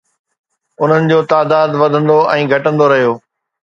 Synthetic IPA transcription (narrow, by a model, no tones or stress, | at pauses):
ʊn̤ənɪ̆d͡ʑoːt̪aːd̪aːd̪ʋɐd̪ʱə̃nd̪oʔɛ̃ːɡʱɐʈə̃nd̪oɾɐɦijoː